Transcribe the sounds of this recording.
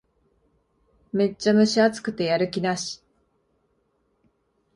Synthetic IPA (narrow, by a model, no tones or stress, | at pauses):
me̞t͡ɕt͡ɕːamɯ̟ɕiat͡sɨ̥kɯ̟t̪e̞jaɾɯ̟kʲinaɕi̥